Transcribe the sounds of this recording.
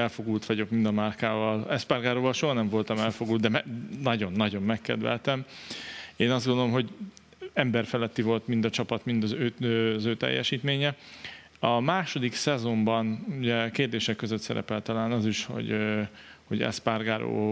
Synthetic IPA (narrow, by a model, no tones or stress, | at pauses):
ɛlfo̞ɡult̪ʋɒɟo̞kmind̪ɒmarkaːvɒlɛspaːrɡaːɾoːvɒlʃoɦɒnɛɱvo̞lt̪ɒmɛlfo̞ɡuld̪d̪ɛmɛnɒɟo̞nːɒɟo̞mːɛkːɛ̰d̪vɛ̰lt̪ɛm | eːnɒzdɡond̪olomɦo̞ɟ | ɛmbɛrfɛlɛt̪ːivo̞lt̪mind̪ɒt͡ʃɒpɒt̪mind̪ɒzøːøzøːt̪ɛ̰jːɛ̰ʃiːt̪meːɲɛ | ɒmaːʃo̞d̪iksɛzo̞mbɒnuɟɛkeːrd̪eːʃɛkːøzøt̪sɛ̰ɾɛ̰pɛlt̪ɒlaːnɒziʃho̞̰ɟ | ho̞̰ɟɛ̰sparɡaːɾo̰ː